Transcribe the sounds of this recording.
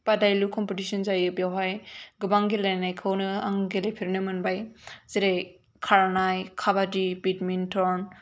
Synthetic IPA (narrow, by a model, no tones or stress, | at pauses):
padajlukʰɔmpetisɔnzajɯbjawɦajɡɯbaŋɡilajnajkʰɯwnɯa̰ŋɡelepʰiɾnɯmɯnbajziɾej | kʰaɾanajkʰabadibitmintʰɔɾn